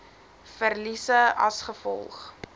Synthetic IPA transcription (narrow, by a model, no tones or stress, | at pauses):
fərlisəɐsχəfɔ̰lˠχ